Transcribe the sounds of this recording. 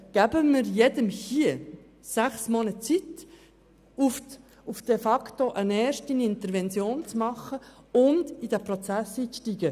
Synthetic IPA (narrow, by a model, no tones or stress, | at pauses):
ɡ̥æbəmɪɾjɛdəmhiə | sæχsmɔnət͡sit̪ | uf | ufd̥efɑktoʔənɛːɾʃtinɪnt̪əɾvɛnt͡sjoːnt͡smɑχəʊndid̥̪æprot͡sæsiːt͡sʃtiːɡ̥ə